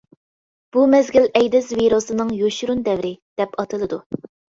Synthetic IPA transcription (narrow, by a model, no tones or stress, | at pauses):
b̥umɛzɡʲilɛjd̪ɪzviɾosɨnɨŋjoʃuɾund̪ɛvɾɪd̪̥ɛpɑt̪ʰɨlˠɨd̪u